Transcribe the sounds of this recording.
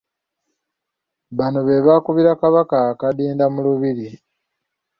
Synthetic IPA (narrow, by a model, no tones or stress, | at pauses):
βanoβe̞βakuβiɾakaβakakadiːndamuluβiɾi